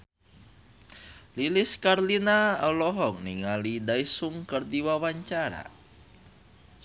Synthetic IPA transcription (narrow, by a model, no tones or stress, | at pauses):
liliskarlinaɔlɔɦɔk̚niŋalidaisuŋkərdiwawaɲt͡ʃaɾa̰